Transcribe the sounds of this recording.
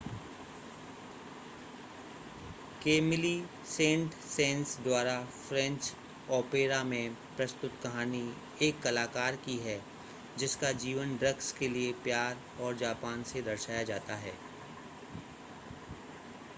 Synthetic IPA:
keːmɪli | sẽːɳʈ | sẽːnsd̪waːɾafɾɛ̃ɲt͡ʃ | ɔːpeːɾamẽpɾɐst̪ʊt̪kɐɦaːni | eːkːɐlaːkaːɾkiɦɛ | d͡ʒɪskad͡ʒiːʋənɖɾəɡskeliepjaːɾ | ɔːɾd͡ʒaːpaːnsed̪ɐɾʃaːjad͡ʒaːt̪aɦɛ̰ː

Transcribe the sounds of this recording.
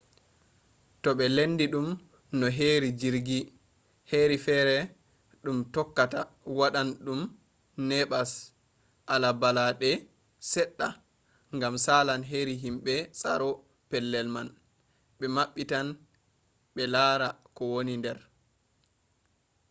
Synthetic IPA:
tɔɓɛlenːdiɗum | nɔɦeːɾid͡ʒiɾɡi | heɾifɛɾɛ | ɗumtɔkːata | waɗanɗum | nɛɓas | ʔalabalaɗɛ | sɛɗːa | ŋɡamsaːlanɦeɾiɦimɓɛsa̰ɾɔ | pɛlːɛlman | ɓɛmaɓːitan | ɓɛlaːɾakɔwonindɛɾ

